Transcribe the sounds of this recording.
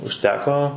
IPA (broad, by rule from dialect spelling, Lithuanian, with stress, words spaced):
ʊʃʲˈtʲæːkoː